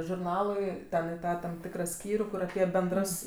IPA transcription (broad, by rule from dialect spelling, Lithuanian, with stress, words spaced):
ʒʊrˈnɑːlˠʊɪˈtʲɛn ɪ ˈtɑː ˈtɐm ˈtʲɪkrɑː ˈsʲkʲiːrʲuː ˈkʊr ɐˈpʲiɛ bʲɛnˈdrɐs